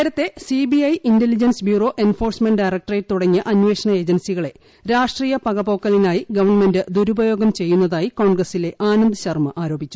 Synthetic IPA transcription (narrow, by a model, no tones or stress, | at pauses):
eɾɐt̪ːe̞sibiɐjindelid͡ʑɐnsbjuːro̞ːʔe̞nfo̞ːrsme̞ɳɖɖɐjrɐk̚ʈreːʈt̪uɽɐŋːɨʔɐnʋe̞ːʂɐɳɐe̞ːd͡ʑɐnsiɣɐɭe̞ | ɾaːʂʈriːjɐpɐɣɐbo̞ːkːɐlinaːjiɡɐʋɐrɳme̞ndɨd̪uɾubɐjo̞ːɡɐmt͡ɕe̞jːunːɐðaːjiko̞ːɳɡrɐsile̞ʔaːnɐnd̪ɨɕɐrmɐʔaːɾo̞ːbʱit͡ɕːu̥